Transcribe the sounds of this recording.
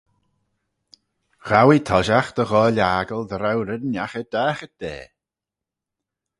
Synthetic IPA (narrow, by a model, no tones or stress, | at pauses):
ɣ̥awit̪ʰɔʒaxd̪̥əɣɔːlʲaːɡəlˠdɾawɾənjaxəd̥aːxəd̪̥ḛː